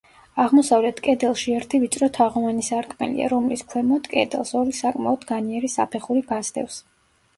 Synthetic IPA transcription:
aʁmɔsavlɛt̪ʰkʼɛd̪ɛlˠʃiɛɾt̪ʰivit̪sʼɾɔt̪ʰaʁɔvanisaɾkʼmɛ̰lḭa̰ɾɔmliskʰwɛmɔd̪kʼɛ̰d̪ɛ̰lˠsɔɾisakʼmaɔd̪ɡaniɛɾisa̰pʰɛχuɾiɡazd̪ɛ̰fs

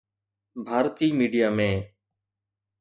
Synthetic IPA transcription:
bʱaːɾt̪iːmiːɖijaːmẽː

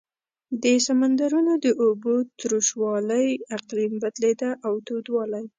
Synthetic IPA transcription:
d̪əsamand̪aɾunod̪əʔobot̪ɾuʃwɑləjaqlimbad̪led̪aʔawt̪od̪wɑlaj

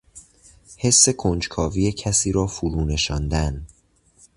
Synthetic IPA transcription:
he̞sːe̞kʰond͡ʒkʰɒːviːjecʰæsiːɾɒːfuɾuːne̞ʃɒːnd̪æn

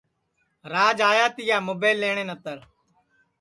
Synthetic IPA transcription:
ɾaːd͡ʒaːjaːt̪ɪjaːmoːbeːlːeːɳẽːnət̪əɾ

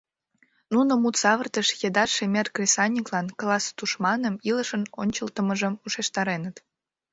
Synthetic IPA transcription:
nunomut̪sɑβərt̪əʃjed̪ɑʃemerkrʲisɑnʲiklɑnklɑst̪uʃmɑnəmiləʃənonʲt͡ɕəlt̪əməʒəmuʃeʃt̪ɑɾenət̪

